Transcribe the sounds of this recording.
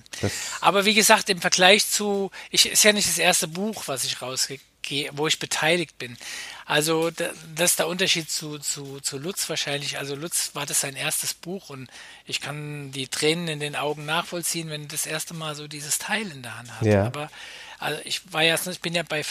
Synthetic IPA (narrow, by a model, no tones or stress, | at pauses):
ʔa̰ːbɐviːɡəzaːk̚tɪmfɛɐɡ̥laɪçt͡suːʔɪçɪ̰stjaːnɪçt̚d̥asʔeːɐstəbuːxv̥asɪçʁaʊsɡ̥ə | ɡ̥eːəvoːɪçb̥ətʰaɪlɪkt̚b̥ɪnʔalzodad̥asɪstd̥eːɐʔʊntɐʃiːt̚t͡suːt͡sut͡sulʊt͡sv̥aːɐʃaɪnlɪçʔa̰lzolʊt͡sv̥aːɐdasz̥aɪnʔeːɐstəsb̥uːxʊnt | ʔɪçkʰandiːtʁ̥eːnənɪndeːnʔaʊɡŋ̩naːχfɔlt͡siːənvɛndudasʔeːɐstəmaːlzoːdiːzəstʰaɪlɪndeːɐhanthastːʔaːbɐʔa̰lzoʔɪçvaːɐjaːɪçb̥ɪnjaːbaɪ